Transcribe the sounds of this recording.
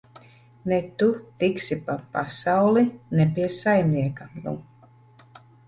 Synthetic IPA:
nɛt̪ut̪iksipapasawlˠinɛpʲiɛsajmniɛkanṵ

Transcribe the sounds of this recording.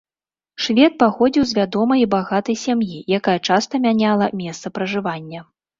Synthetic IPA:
ʂvʲɛt̪̚paxɔd͡zʲiwzʲvʲad̪ɔmɐjbaɣat̪ɐjsʲamjijakajɐt͡ʂast̪ɐmʲanʲalˠɐmʲɛst̪sɐpɾɐʐɨvanʲːɐ

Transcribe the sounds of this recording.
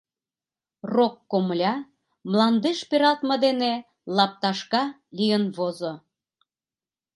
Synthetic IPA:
rokːomlʲɑ | mlɑnd̪eʃpʲeɾɑt̪məd̪ene | lɑp̚t̪ɑʃkɑ | lijənβozo

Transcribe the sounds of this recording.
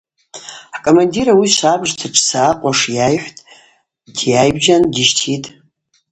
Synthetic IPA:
akʼomandiɾawiʃʷabʐtʰaʈ͡ʂʰʼsaːqʷʼaʂjajħʷᶣtʼ | d̥jajbʒandiʃtʰitʼ

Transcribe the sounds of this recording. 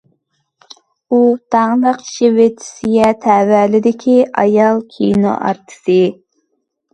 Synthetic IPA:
ut̪ʰɑŋlˠəqʃewɪt̪ʰɪ̥sɪjʲɛt̪ʰɛwælɪd̪ɪkʲʰiʔɑ̰jɑlˠkʲʰḭjno̰ʔɑ̰ɾt̪ʰɨ̥sɨ

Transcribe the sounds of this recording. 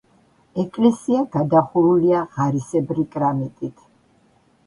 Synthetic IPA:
ɛkʼlɛsiaɡad̪aχuɾuliaʁaɾisɛbɾikʼɾamɛt̪ʼit̪ʰ

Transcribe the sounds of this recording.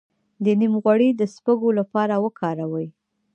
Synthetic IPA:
d̪ənimɣwaɽid̪əspəɡolapɑɾawəkʰɑɾawəj

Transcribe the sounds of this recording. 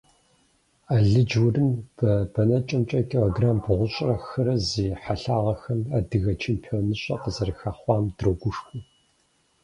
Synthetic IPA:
aːɮɨd͡ʒwʊrɨmb̥ɐb̥ɐnɐt͡ʃʼɐmt͡ʃʼɐkʰʼɪʁoɡraːmbʁʷʊɕʼrɐxɨɾɐziːħaɬaːʁɐxɐmadɨɣɐt͡ʃʰeːmpʰiɔːnɨɕʼɐ̰qəzɐrɨxaːχʷɑːmdroɡʷʊʂxʷu

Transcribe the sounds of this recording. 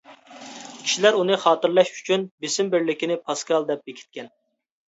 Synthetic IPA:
kʲi̥ʃilæɾunɨχɑːt̪ɨɾlˠɑʃy̥t͡ʃʰynbɪsɪmbɪɾlɪkʲinɪpʰɑskɑlˠd̪ɛp̚bekʲʰɪ̥t̪̚kʲɛn

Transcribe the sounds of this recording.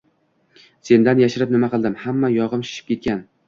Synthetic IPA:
se̞nd̪anjaʃɪɾɪp̚nɪmaqɨlˠd̪ɪmhamːajɒʁɨmʃɪ̥ʃɪ̥p̚kʲʰe̞t̪̚kʲan

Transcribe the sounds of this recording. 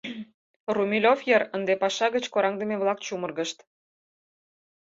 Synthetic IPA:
rumʲilʲofjəɾənd̪epɑʃɑɣət͡ɕkoɾɑŋd̪əmeβlɑk̚t͡ɕumərɣəʃt̪

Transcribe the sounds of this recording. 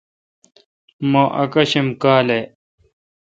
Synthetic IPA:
moːʔɐ̰kɐɕemkaːlej

